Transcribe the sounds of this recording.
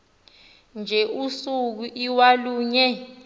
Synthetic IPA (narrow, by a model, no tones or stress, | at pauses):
nd͡ʒʱɛʔusuk̬uʔiwaluːɲɛ